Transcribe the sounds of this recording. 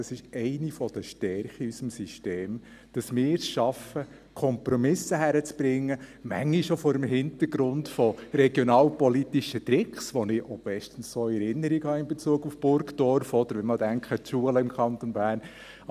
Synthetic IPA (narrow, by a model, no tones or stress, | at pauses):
ɑsɪʃɛɪnifɔd̥əʃtɛɾχiysəmsiʃteːm | d̥ɑsmɪːɾsʃɑfə | kʰɔmpɾɔmɪsəɦæɾət͡sb̥ɾɪŋːəmæ̰ŋːiʃofɔːɾəmɦɪnt̪əɾɡɾʊntfɔɾɛɡ̥jɔnɑːlpɔlitiʃət̪ɾɪkχsʋɔnɪʔob̥ɛʃtən̩ssoɛɾɪnːəɾiɡhɑːɪmbɛt͡suəɡufb̥ʊɾkdɔɾfɔd̪əɾʋɛnmɑdæŋkχətʃuələɪmkʰχɑnt̪ɔnbæːɾn